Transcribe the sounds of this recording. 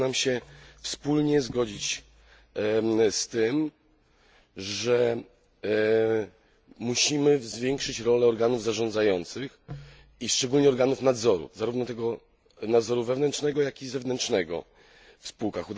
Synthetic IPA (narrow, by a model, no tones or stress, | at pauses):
namɕɛfspulɲɛzɡɔd͡ʑit͡ɕ | st̪ɘm | ʐɛ | muɕimɘvzvʲjɛŋkʂɘt͡ɕɾɔlɛɔɾɡanuvzaʐɔ̃nd̪zajɔnt̪sɘx | iʂt͡ʂɛɡulɲɛɔɾɡanufnad̪zɔɾṵzaɾuvnɔt̪ɛɡɔ | nad̪zɔɾuvɛvnɛntʂnɛɡɔjakʲizɛvnɛntʂnɛɡɔ̰ | fspuwkaxud̪